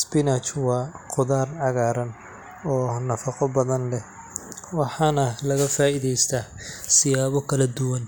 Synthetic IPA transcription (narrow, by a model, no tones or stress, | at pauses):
spɪnɐt͡ʃwɑːqʊðaːrʕɑɣaːɾɐn | ɔːnɐfɑqɔbɐðɐnlɛ | wɑħɑːnɐlɐɣɐfaːʔiðɛjst̪ʰaːsɪjaːβɔkʰɐlɐd̪ʊwɐn